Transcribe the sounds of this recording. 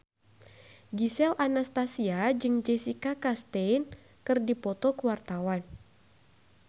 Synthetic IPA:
ɡisɛlʔanast̪asiad͡ʒɨŋd͡ʒɛsikakast̪ɛjn | kɨrdipɔt̪ɔkəwart̪awan

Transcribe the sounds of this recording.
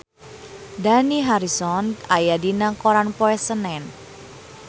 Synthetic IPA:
d̪aniɦaɾisɔnajadinakoɾanpɔɛsənɛn

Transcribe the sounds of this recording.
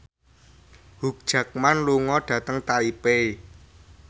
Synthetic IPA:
huk̚d̥ʒ̥ä̤k̚manluŋɔɖ̥ä̤t̪əŋt̪aipe

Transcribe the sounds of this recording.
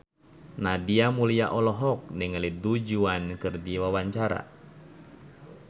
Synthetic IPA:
nadiamuliaʔɔlɔɦɔk̚niŋəlidud͡ʒuankɨrdiwawaɲt͡ʃaɾa̰

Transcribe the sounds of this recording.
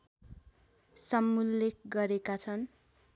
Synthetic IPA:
sʌmːulːek̚ɡʌɾekat͡sʰʌn

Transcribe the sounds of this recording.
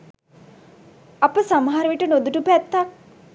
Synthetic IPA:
apəsamɐɦaɾəʋiʈənod̪uʈupæt̪ːak̚

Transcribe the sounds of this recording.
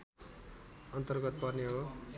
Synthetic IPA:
ʌnt̪ʌrɡʌt̪̚pʌrneɦo

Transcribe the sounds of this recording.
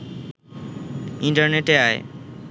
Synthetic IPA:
ɪ̃ɳʈəɾneʈeaːḛ

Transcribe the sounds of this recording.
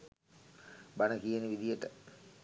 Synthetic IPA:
bɐnɐkijɐniʋid̪ijeʈə

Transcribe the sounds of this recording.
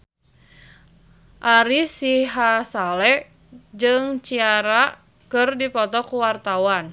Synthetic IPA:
ʔaɾisiɦasalɛ | d͡ʒɨŋt͡ʃiaɾa | kɨrdipɔt̪ɔkuwart̪awan

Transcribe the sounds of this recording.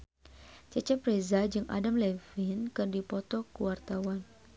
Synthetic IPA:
t͡ʃət͡ʃɛpɾezad͡ʒɨŋʔa̰damlɛfinkɨrdipɔt̪ɔkuwart̪awan

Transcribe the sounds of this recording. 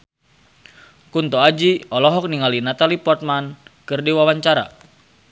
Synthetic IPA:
kunt̪ɔad͡ʒiɔlɔɦɔk̚niŋalinat̪alipɔrt̪̚mankɨrdiwawaɲt͡ʃaɾa̰

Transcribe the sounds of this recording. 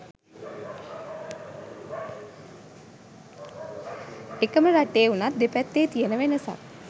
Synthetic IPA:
ekəməɾaʈeːunat̪̚d̪epæt̪ːeːt̪ijənəʋenəsa̰k

